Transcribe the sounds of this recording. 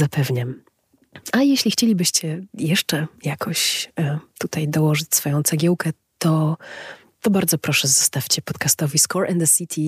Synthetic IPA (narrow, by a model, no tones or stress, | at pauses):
zapɛvɲam | ajɛɕlʲixt͡ɕelʲibɘɕt͡ɕɛjɛʂt͡ʂɛjakʰɔɕ | t̪ut̪ajd̪ɔwɔʐɨt͡ɕʲsfɔjɔ̃w̃t̪sɛɡʲjɛwkɛ | t̪ɔ | t̪ɔbaɾd̪zɔpɾɔʂɛzɔst̪afʲt͡ɕɛpɔt̪kast̪ɔvʲiskɔɾʔɛnd̪ɛsʲit̪ʰʲi